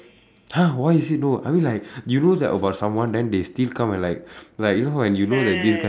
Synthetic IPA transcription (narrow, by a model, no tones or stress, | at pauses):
hawaɪisit̚noʔa̰ɪmĩnlaɪk̚junodɛ̰təbaʊt̚sãmwãndɛ̃ndestilkãmɛ̃nlaɪk̚laɪk̚junoɦawɛ̃njunodɛt̚disɡa